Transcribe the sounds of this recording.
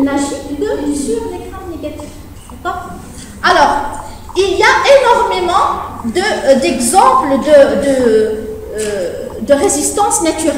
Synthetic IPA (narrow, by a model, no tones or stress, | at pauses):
naʒid̪əʁzyʁd̪ekʁãmneɡat̪if | dakɔʁ | alɔːʁ | iliaʔenɔʁmemɑ̃d̪əd̪ɛɡzɑ̃pləd̪əd̪ə | d̪əʁezist̪ɑ̃snat̪yʁɛ